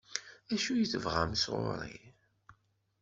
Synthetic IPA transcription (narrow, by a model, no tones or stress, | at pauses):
æʃujəθəvʁa̰msʁo̰ɾˤḭ